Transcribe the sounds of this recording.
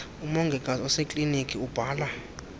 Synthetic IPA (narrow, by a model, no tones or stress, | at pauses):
umɔŋɡʱɛkʼazɔsekʼlinikʼiub̥ʱaːla